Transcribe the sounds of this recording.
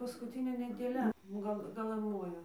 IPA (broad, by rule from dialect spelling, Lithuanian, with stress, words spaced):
pɐskʊˈtʲɪnʲeː nʲɛdʲeːˈlʲɛ ˈɡɐlˠ ɡɐˈlˠɐn ˈmoːjoː